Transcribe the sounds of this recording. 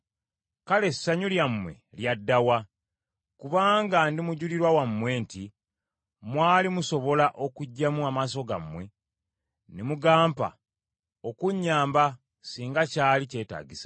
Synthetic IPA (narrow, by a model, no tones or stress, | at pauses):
kale̞sːaɲuljamwe̞̰ljadːawa | kuβaːŋɡandimuɟuliɾwawamːwe̞ːnti | mwaːlimuso̞βo̞laʔo̞kuɟːamuamas̬o̞ɡa̰mːwe̞ | nemuɡaːmpa̰ | okuɲːaːmba | siːŋɡacaːlice̞ːta̰ːɟisḁ